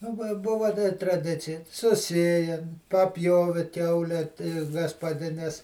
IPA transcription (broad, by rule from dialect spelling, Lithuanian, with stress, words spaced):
ˈɑːbɐ ˈbʊʋɐ dɐ trɐˈdʲɪt͡sʲɪjɛ sʊˈsʲeːjɛmʲ pɐˈpʲjoːʋʲɪ ˈkʲɛʊlʲɛ tʲɪ ɡɐspɐˈdʲɪnʲɛs